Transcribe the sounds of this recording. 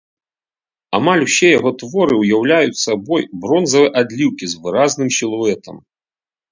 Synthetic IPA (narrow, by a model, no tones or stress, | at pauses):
a̰malʲwsʲɛjaɣɔt̪vɔɾɨwjawlʲajusabɔjbɾɔnzɐvɨʔad̪lʲiwkʲizvɨɾaznɨmsʲilˠuɛt̪ʰɐm